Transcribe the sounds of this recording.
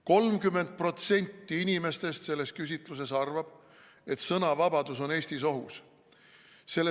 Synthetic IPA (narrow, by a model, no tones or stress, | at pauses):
ko̞lmkymːe̞nd̪̚pro̞t̪se̞nʲt̪ːiinʲime̞st̪e̞st̪se̞lːe̞skys̬ʲit̪ˑlus̬e̞sɑrvɑb̥ | e̞t̪sɤnɑvɑbɑd̪uso̞ne̞ːsʲt̪iso̞ɦus | se̞lːe